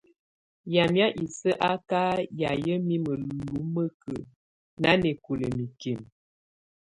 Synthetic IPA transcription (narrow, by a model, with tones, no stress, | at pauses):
ja˨mja˦ʔi˨sə˦ʔa˦ka˦ja˨jə˦mi˦mə˨lu˦mə˦kə̰˨ | na˦ne˨ko˨lə̰˨mi˨ke˨m